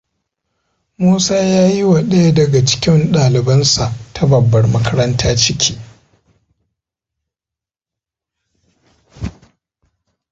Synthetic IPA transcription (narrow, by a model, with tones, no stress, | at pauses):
muː˦saː˦jaː˦ji˦wa˨ɗɐ˦ja˦dɐ˨ɡa˨t͡ʃɪ̥˦kʲɪ˦nɗaː˨lɪ˨bɐ˦nsa˨ʔtʰa˦bɐ˨bːɐ˨rmɐ˦kɐ˦ɾɐ˦ntʰaː˦t͡ʃɪ˦kʲʰi̥ː˦